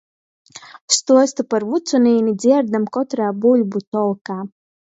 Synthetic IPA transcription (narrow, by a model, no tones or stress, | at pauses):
st̪uɔst̪upaɾvut̪sunʲiːnʲid̪zʲiɛɾd̪amkɔt̪ɾaːbulʲbut̪ɔlˠkaː